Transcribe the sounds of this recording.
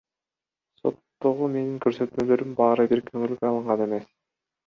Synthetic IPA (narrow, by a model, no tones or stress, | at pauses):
so̞̰t̪ːoʁume̞niŋkøɾsø̞t̪mø̞lø̞ɾymbɑːɾɯbiɾkʰøŋylkøɑlˠɯɴʁɑne̞me̞s